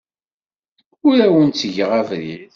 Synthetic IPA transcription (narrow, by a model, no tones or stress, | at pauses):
ʊɾæwənt͡sːəʝʁævɾið